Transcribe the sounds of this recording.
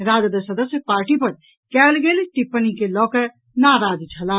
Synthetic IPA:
ɾaːd͡ʒd̪əsəd̪əsjəpaːɾʈipɐɾ | kɛːlɡelʈɪpːənikelɔːkə | naːɾaːd͡ʒt͡ʃʰəlaː

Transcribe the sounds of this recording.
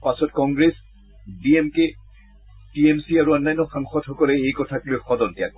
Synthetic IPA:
pasɔtkɔŋɡɹes | biemke | tiemsiaɹuɔnːajnːɔxãŋxɔdxɔkɔlɛejkɔtʰaklojxɔdɔntija̰k̚

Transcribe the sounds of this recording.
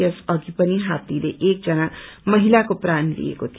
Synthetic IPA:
əsʌɡipəniɦaːt̪ileʔeːk̚d͡ʒənaməɦilakopɾaːnlḭḛkot̪ʰ

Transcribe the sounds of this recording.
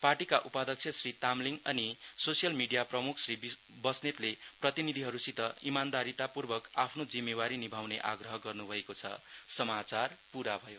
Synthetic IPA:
parʈikaʔupad̪ʌk̚t͡sʰjʌsrit̪amliŋʌnisosijʌlmiɖijaprʌmukʰsrib | bʌsnet̪leprʌt̪inid̪ʱiɦʌɾusit̪ʌimand̪aɾit̪apurbʌkapʰnod͡zimːewaɾinibʱawneʔa̰ɡrʌɦʌɡʌrnubʱʌekot͡sʰʌ̰sʌmat͡sarpuɾabʱʌjo

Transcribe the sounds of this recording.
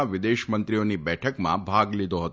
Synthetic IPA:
aʋɪd̪eʃmənt̪ɾionibɛʈʰəkmã̰bʱaɡlid̪oɦət̪

